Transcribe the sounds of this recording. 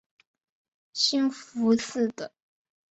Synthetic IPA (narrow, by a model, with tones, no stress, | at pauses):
ɕi˥nfu˧˥sɹ̩˥˩d̪ə˩